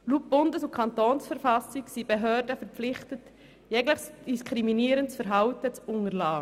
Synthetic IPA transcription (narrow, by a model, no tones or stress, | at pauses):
luːp̚b̥ʊndəsʊkʰɑntoːnsfəɾfɑsiksib̥eɦøːɾdəfɛɾpflɪχtət | jɛɡlɪχsd̥iskɾiminiːɾənt͡sfɛɾɦɑʊtət͡sʊŋəɾlaː